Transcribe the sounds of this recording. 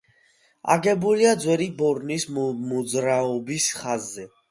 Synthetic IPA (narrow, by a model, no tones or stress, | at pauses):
a̰ɡɛbuliad̪zwɛɾibɔɾnismɔd̪zɾaɔbisχazːɛ